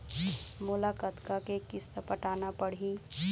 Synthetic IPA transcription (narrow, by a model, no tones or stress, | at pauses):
mʊlakət̪kakekɪst̪əpəʈaːnapəɽ̤i